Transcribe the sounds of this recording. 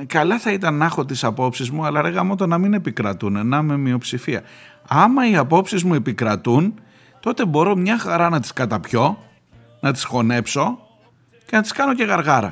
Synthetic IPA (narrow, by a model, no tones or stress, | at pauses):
kɐlɐθɐit̪ɐnːɐxo̞t̪̬isɐpo̞psizmuɐlɐɾeɣɐmo̞t̪̬onɐmine̞pikɾɐt̪unenɐme̞mio̞psifiɐ̰ɐmɐiɐpo̞psizmue̞pikɾɐt̪un | t̪o̞t̪e̞bo̞ɾo̞mɲɐxɐɾɐnɐt̪i̥skɐt̪ɐpço̞ | nɐt̪i̥sxo̞ne̞pso̞ | ce̞nɐt̪i̥skɐno̞ce̞ɣɐɾɣɐɾɐ̰